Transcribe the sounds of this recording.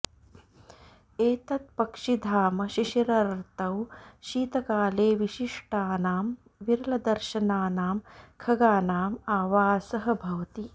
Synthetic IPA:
eːt̪ɐt̪̚pɐkʂid̪ʱaːmɐʃiʃiɾɐɾɾt̪ɐwʃiːt̪ɐkaːleːʋiʃiʂʈaːnaːm | ʋiɾɐlɐd̪ɐɾʃɐnaːnaːmkʰɐɡaːnaːmaːʋaːsɐɦɐ̆bʱɐʋɐt̪i

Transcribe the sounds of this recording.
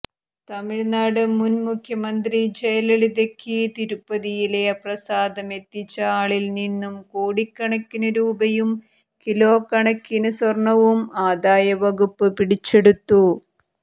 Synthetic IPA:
t̪ɐmiɻnaːɽɨmunmukʰjɐmɐnd̪rid͡ʑejɐlɐɭiðekːɨt̪iɾupːɐðijileprɐsaːd̪ɐme̞t̪ːit͡ɕːɐaːɭilninːumkoːɽikːɐɳɐkʲːinɐɾuːbɐjum | kilo̞ːkːɐɳɐkːinɐswɐrɳɐʋumaːd̪aːjɐʋɐɣupːɨpiɽit͡ɕːe̞ɽut̪ːu

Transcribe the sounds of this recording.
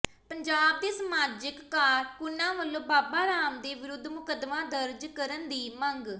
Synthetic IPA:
pəɲd͡ʒaːb̚d̪eːsəmaːd͡ʒəkːaːɾkʊnãːʋəlːõːbaːbaːɾaːmd̪eːʋɪɾʊd̪ʱːmʊkəd̪mãːd̪əɾd͡ʒkəɾənd̪iːməŋɡ

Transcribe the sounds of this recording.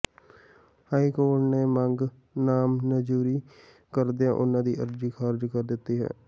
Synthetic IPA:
haːikoːɾʈneːmə̃ŋɡ | naːmnəd͡ʒuːɾiː | kəɾd̪ijãːʔʊnãːd̪iːʔə̰ɾd͡ʒiːkʰaːɾd͡ʒkəɾd̪ɪt̪ːiːɦɛ̰ː

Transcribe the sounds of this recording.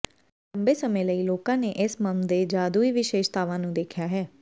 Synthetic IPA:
ləmbeːsəmẽːləiːloːkãːneːʔɪsməmd̪eːd͡ʒaːd̪uːiːʋɪʃeːʃt̪aːʋãːnũːd̪eːkʰjaːɦɛː

